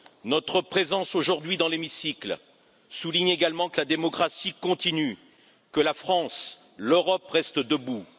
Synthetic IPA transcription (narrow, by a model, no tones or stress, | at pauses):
nɔt̪χəpχezɑ̃soʒuʁd̪ɥid̪ɑ̃lemisikl | suliɲeɡalmɑ̃kəlad̪emɔkχasikɔ̃t̪iny | kəlafχɑ̃s | løʁɔpʁɛst̪d̪əbu